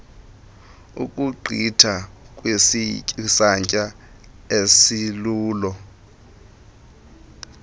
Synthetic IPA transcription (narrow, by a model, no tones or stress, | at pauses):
ṵkʼuǃʱitʰa | k̬ʼwessaɲcʼa | esiluːlɔ